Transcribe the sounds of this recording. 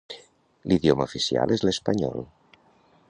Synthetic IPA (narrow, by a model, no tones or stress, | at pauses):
liðjoməufisia̰lezlespaɲɔ̰l